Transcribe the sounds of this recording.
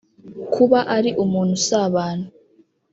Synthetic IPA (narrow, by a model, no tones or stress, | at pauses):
kʰuβaʔaɾiʔumuːnhusaβaːnu